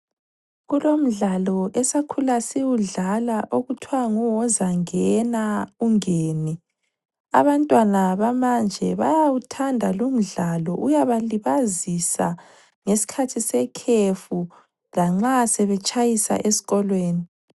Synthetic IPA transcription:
ɣulom̩ɮalɔʔɛsakʰulasiwuɮalaʔoɣutʰwaŋuwɔzaŋɛnauŋeːni | a̰βantʼwanaβamand͡ʒʱɛβa̰jawutʰandʱalom̩ɮalɔʔujaβaliβazisa̰ | ŋesi̥kʰatʰisɛkʰefu | laŋ͡ǁasɛβɛt͡ʃʼajisa̰ʔesi̥ɣɔlweːni

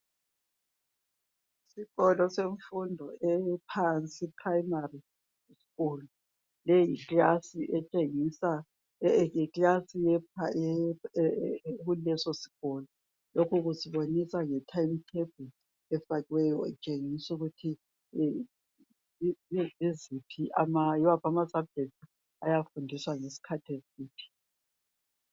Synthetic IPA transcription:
isiɣɔlɔseɱfundʱɔɛpʰant͡sʼipʰraimari | si̥ɣulu | lɛjiklasiʔɛt͡ʃʼeŋisa | iklasijɛpaɛ | ɣulɛsɔsi̥ɣ̥ɔlɔ | lokʰuɣusiβonisaŋɛtʰajmtʰeb̥ʱul | ɛfaɣiwɛjɔɛt͡ʃʼeŋisuɣutʰi | izipʰiʔamajiwapʰamasab̚d͡ʒʱek̚tʰi | ajafundʱiswaŋesi̥kʰatʰesiːpʰi̥

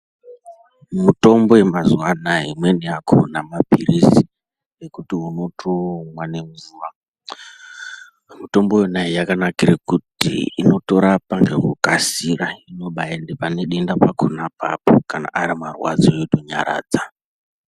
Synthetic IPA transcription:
mito̞mbo̞emazuwanaɦimweniakʰo̰namabʱiɾisi | ekutiɦuno̞tʰoŋwanemuzuwa | muto̞mbo̞jenaijakanakiɾekutḭino̞to̞ɾapaŋɡe̞̰kukasiɾaino̞ɓaendepaneɗindapakʰonapa̰pokana̰ʔaɾimarwa̰d͡zoetoɲa̰ɾa̰ːd͡za

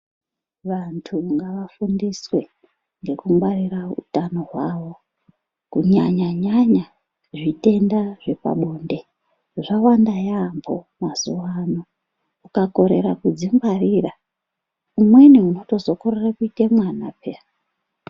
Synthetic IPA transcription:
ʋantʰuŋɡaʋafundiswe̞ | ŋɡe̞kuŋɡwariraṵtano̞ɦwaʋo̞ | kuɲaɲaɲaɲa | ʐite̞ndaʐe̞pa̰ɓo̞ːnde̞ | ʐawandajambʰo̞̰ | mazuwano | ukako̞ɾe̞̰ɾakud͡zimbarira | umweniuno̞to̞zo̞korerakuitemwanapa

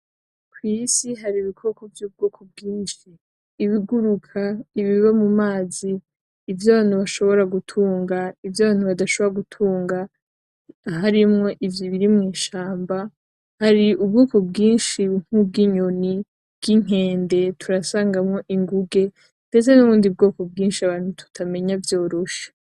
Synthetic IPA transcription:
kwisiɦaɾiβikʰo̞ko̞vjuːb̚ɡoːkʰo̞b̚ɡiːnʃiː | βiɡuɾukʰaiβiβamumaːziː | vjaβaːn̥huβaʃo̞βo̞ɾaɡutʰuːŋɡaivjaβaːnhuβadaʃoβoɾaɡutʰuːŋɡa | ɦaɾimŋo̞ʔivjiβiɾimŋiːʃaːmba | haɾiʔub̚ɡoːko̞b̚ɡiːnʃiŋ̥ub̚ɡiɲo̞ni | b̥ɡ̥iŋ̥e̞ːnde̞tʰuɾasaːŋɡamŋo̞ʔiŋɡuɡe̞ | nde̞t͡senuβuːndiub̚ɡo̞ːko̞bɡiːnʃiaβaːn̥hutʰu̥tʰame̞ɲavjo̞ːɾo̞ʃḁ

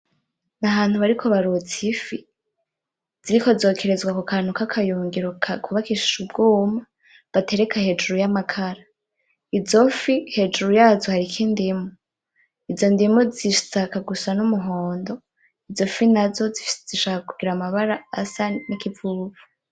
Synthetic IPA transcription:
naɦaːn̥huβaɾikʰo̞βaɾut͡sifi | z̥iɾiko̞zo̞ːkʰe̞ɾe̞zɡwakukʰanukakʰajuːŋɡiɾokʰakʰuβakiʃi̥ʃubɡoːma | βate̞ɾe̞kahe̞d͡ʒuɾujamakʰaɾa | izofihe̞d͡ʒuɾujaːzohaɾikʰindimu | izo̞ndimuziʃu̥t͡sakaɡusanumuɦoːndo̞ | izo̞finazo̞zifi̥sez̥iʃakakuɡiɾamaβaɾaːsanikivuːvu̥

